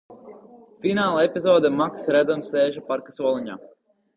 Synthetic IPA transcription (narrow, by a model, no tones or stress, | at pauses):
finaːlˠaɛpʲizɔːd̪ɛmaksɾæd̪zamseːʒɛpaɾkasuɔlˠiɲaː